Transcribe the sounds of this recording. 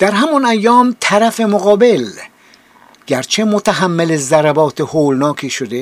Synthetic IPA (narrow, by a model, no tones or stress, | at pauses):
d̪̥æɾɦæmɒnæjːɒːmt̪ʰæɾæfe̞moɣɒːbe̞l | ɟ̥æɾt͡ʃʰemot̪ʰæɦæmːelezæɾæbɒːt̪ʰehoːlnɒːkʰiːʃod̪e